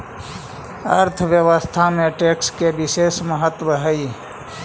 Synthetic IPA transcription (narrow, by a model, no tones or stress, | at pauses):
əɾt̪ʰʋjəwəst̪ʰamẽʈeːkskebɪseːsməɦət̪wəɦəi